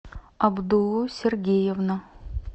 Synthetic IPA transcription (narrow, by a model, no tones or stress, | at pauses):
ɑbd̪ulˠːusʲerɡʲejevnə